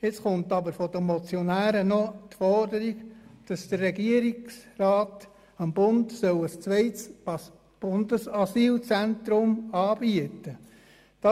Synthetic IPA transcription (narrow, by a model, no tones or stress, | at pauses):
ɪt͡sχʊnt̪ɑbəɾfɔd̥̪əmɔt͡sjɔnæːɾənɔtfɔrdəɾiɡd̥ɑsd̪̥ərːɛɡiəɾiksrɑːt | ɑmb̥ʊndsœwəst͡sʋɛɪts | b̥ʊndəsɑsiːlt͡sænt̪ɾʊmɑːb̥iətə | d̥ɑ